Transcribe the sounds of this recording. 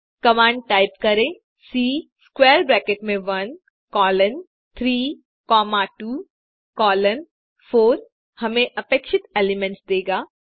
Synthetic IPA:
kɐmãːɳɖ̚ʈaːɪpkɐɾẽː | siːskwɛːɾbɾɛːkeʈmẽʋɐn | kɔːlən | t̪ʰɾiː | kɔːmaːʈuː | kɔːlən | foːɾ | hɐmẽʔɐpeːkʃɪt̪eːlɪmɛ̃ɳʈsd̪eːɡaː

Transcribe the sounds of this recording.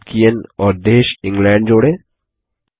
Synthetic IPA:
kijənɔːɾd̪eːʃɪ̃ŋɡlɛ̃ːɳɖ̚d͡ʒoːɽeː

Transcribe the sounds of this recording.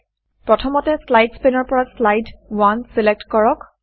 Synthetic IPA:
pɹɔtʰɔmɔtɛslajdspenɔɹpɔɹaslajdwansilek̚tkɔɹɔk

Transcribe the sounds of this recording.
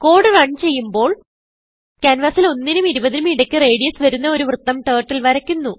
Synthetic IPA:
ko̞ːɽɨrɐɳɖt͡ɕe̞jːumbo̞ːɭ | kɐnʋɐsilo̞nːinumiɾubɐðinumiɽɐkʲːɨreːɽijɐsʋɐɾunːɐo̞ɾuʋrɨt̪ːɐmʈeːʈːilʋɐɾɐkʲːunːu

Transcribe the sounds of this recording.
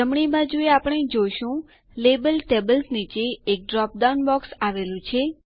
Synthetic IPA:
əmɳibãd͡ʒueapəɳ̃ed͡ʒoʃũ | lebəlʈebəlsnit͡ʃeːk̚ɖɾɔp̚d̪anbɔksaʋelũt͡ʃʰe

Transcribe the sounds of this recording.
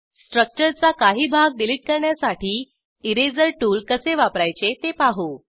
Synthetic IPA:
sʈɾək̚t͡ɕəɾt͡sakaɦiːbʱaɡ̚ɖiliʈ̚kəɾɳjasaʈiː | iɾed͡zəɾʈuːlkəseʋapɾajt͡ɕet̪epaɦu

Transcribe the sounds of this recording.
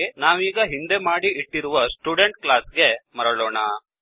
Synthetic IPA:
enaːʋiːɡɐɦind̪e̞maːɽiʔiʈːiɾuʋɐsʈuːɖeɳʈklaːsɡe̞mɐɾɐɭoːɳɐ

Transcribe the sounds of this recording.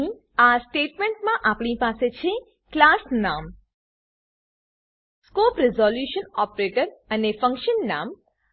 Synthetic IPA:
ĩ | asʈeʈmẽɳʈmãʔapɳipaset͡ʃʰe | klasnam | skopɾɪzɔljuʃənɔpɾeʈəɾənefə̃ŋkʃənːa̰m

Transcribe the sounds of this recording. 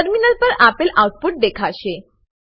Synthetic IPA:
əɾminəlpəɾapelawʈ̚puʈ̚d̪ekʰaɕe

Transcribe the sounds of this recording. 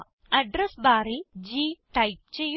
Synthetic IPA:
ɐɖɾesbaːɾid͡ʑiːʈɐjp̚t͡ɕej

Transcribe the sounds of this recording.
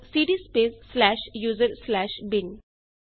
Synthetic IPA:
siːɖispeːsːlɛːʃjuːzəɾslɛːʃbɪn

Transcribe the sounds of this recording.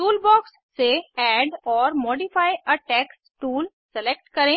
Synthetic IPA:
ʈuːlbɔːksːeɛːɖɔːɾmoːɖifaːiɐʈɛːksʈuːl | sɛleːk̚ʈkɐɾẽː

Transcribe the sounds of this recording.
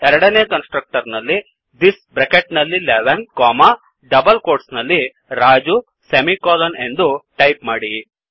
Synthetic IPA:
ɛɾɐɽɐneːkɐnsʈɾɐk̚ʈɐɾnɐlːi | d̪isbɾekeʈnɐlːileʋɐnkɔːma | ɖɐbɐlkoːɾʈsnɐlːi | ɾaːd͡ʒu | semikɔːlɐne̞nd̪uʈɐjpmaːɽi

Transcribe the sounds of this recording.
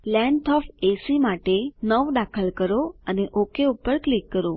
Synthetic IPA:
lɛɳʈʰɔfesimaʈenəʋd̪akʰəlkəɾoəneʔokeupːəɾklikːəɾo

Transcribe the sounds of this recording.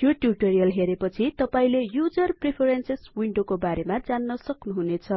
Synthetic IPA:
joʈjuʈoɾijʌlɦeɾepʌt͡sʰit̪ʌpaĩlejud͡zʌrpripʰeɾenseswiɳɖokobaɾemad͡zanːʌsʌknuɦunet͡sʰʌ

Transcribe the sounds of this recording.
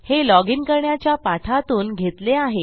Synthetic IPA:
helɔɡinkəɾɳjat͡ɕjapaʈ̪ʰat̪uːnɡʱet̪leaɦe

